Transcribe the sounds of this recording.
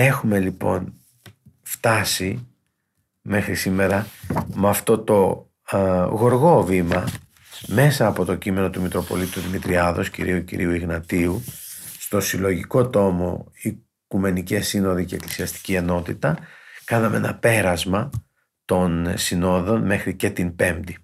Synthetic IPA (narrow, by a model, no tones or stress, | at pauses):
e̞xume̞lipo̞̰n | ft̪ɐsi | me̞xɾisime̞ɾɐmɐft̪o̞t̪o̞ | ɣo̞ɾɣo̞vimɐ | me̞sɐːpo̞t̪o̞cime̞no̞t̪umit̪ɾo̞po̞̰lit̪uðimit̪ɾiɐðo̞scḭɾiucḭɾiuiɣnɐt̪iust̪o̞silo̞ʝiko̞t̪o̞mo̞̰i | kume̞nice̞sinoðiceːklisiɐst̪i̥cie̞no̞t̪it̪ɐkɐnɐmeenɐpe̞ɾɐzmɐ | t̪o̞nsino̞ðo̞nme̞xɾice̞t̪impe̞md̪i